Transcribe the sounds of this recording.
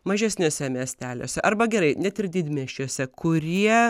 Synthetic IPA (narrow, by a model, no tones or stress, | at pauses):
mɐʒʲɛsʲnʲoːsʲɛmʲiɛsʲt̪ʲæːlʲoːsʲɛʔɐrbɐɡʲɛɾɐɪnʲɛt̪ɪrd̪ʲɪd̪ʲmʲiɛʃʲt͡ʃʲuɔsʲɛkʊɾʲiɛ